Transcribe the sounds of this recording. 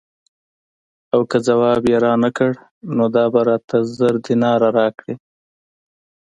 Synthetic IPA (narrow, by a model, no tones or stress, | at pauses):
awkəzawɑbjeɾɑnakəɽ | nod̪ɑbaɾɑt̪ʰazəɾd̪ɪnɑɾaɾɑkɽi